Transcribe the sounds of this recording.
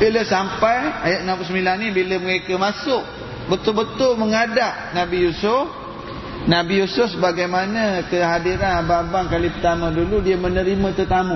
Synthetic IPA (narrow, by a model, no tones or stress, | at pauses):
biləsampajajaʔ̪̚nãmplusəmilanːĩbiləməɾekamasʊʔ | bət̪ʊlbət̪ʊlməŋadaʔnabijusʊf | nabijusʊfsəbaɡajmanəkəɦadiɾanababaŋkalipət̪amə̃duludiəmənəɾimə̃t̪ət̪amũ